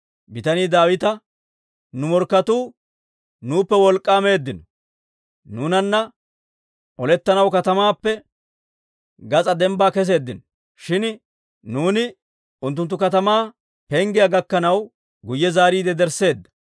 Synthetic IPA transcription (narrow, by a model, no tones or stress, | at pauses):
bɪt̪ɐniːd̪aːwɪt̪ɐ | nʊmɔɾkːɐt̪uː | nuːpːɛwɔlkʼːaːme̞ːd̪ːɪnɔ̥ | nuːnɐnːɐ | ʔɔlɛt̪ːɐnɐwkɐt̪ɐmaːpːɛ | ɡɐt͡sʼɐd̪ɛmbaːkɛs̬e̞ːd̪ːɪnɔ | ʃɪn | nuːnɪ | ʊnt̪ːʊnt̪ːʊkɐt̪ɐmaː | pɛŋɡɪjaɡɐkːɐnɐw | ɡʊjːɛzaːɾiːd̪ɛd̪ɛɾse̞ːd̪ːɐ̥